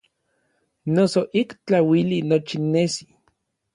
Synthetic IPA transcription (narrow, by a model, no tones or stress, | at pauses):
nosoʔikt͡ɬawilinot͡ʃinːesi